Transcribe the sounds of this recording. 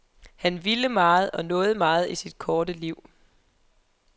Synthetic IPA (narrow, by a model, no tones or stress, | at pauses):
hænʋiləmɑ̈ːð̞̩ˠɒ̽nɔ̽ːð̞̩ˠmɑ̈ːð̞̩ˠisid̥̚kʰɒːd̥əliʊ̰